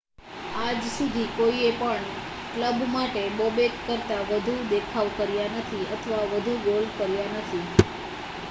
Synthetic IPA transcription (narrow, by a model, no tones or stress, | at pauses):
ad͡ʒsud̪ʱikoiepəɳ | kləbmaʈebobetkəɾt̪aʋəd̪ʱud̪ekʰaʋkəɾjanət̪ʰiət̪ʰəʋaʋəd̪ʱuɡolkəɾjanət̪ʰi